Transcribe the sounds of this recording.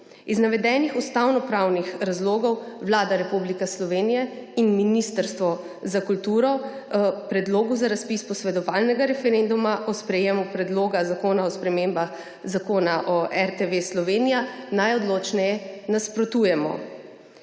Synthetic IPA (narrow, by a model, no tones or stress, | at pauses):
iznaʋɛd̪ɛːnixust̪awnɔpɾawnixɾazloːɡɔwʋlaːd̪aɾɛpublikɛslɔʋenijɛinminist̪əɾst̪ʋɔ | zakult̪uːɾɔ | pɾɛd̪loːɡuzaɾaspispɔsʋɛd̪ɔʋaːlnɛɡaɾɛfɛɾend̪umaʔɔspɾɛjemupɾɛd̪loːɡazakoːnaɔspɾɛmembax | zakoːnaʔɔʔɛɾt̪eʋeslɔʋeːnijanajɔd̪loːt͡ʃnɛjɛnaspɾɔt̪ujɛmɔ̰